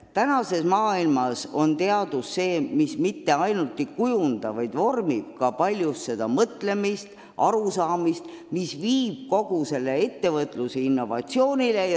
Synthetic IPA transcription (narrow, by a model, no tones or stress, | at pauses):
t̪ænɑse̞smɑːilmɑso̞nt̪e̞ɑd̪̥usse̞ːmismit̪ːe̞ɑjnut̪ːˑikujund̪̥ɑvɑjd̪̥vo̞rmib̚kɑpɑlʲjust̪se̞d̪̥ɑmɤt̪le̞mist̪ | ʔɑɾusɑːmist̪ | misviːb̥̚ko̞ɡ̥use̞lːe̞e̞t̪ːe̞vɤt̪ˑluseinːo̞vɑ̰t̪sio̞ːnʲile